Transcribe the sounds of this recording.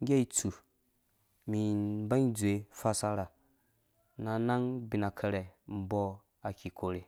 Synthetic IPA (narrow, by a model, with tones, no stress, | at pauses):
ŋ˦ɡʲe˦i˨t͡su˨ | mi˨˦ba˦ŋ˦d͡zu˨e˨fa˦sa˦ɾa˨ | na˨na˦ŋbi˨na˨kʰə˧ɾɛ˨m̩˨bɔ˦ | a˨kʰʲi˨ko˨ɾe˨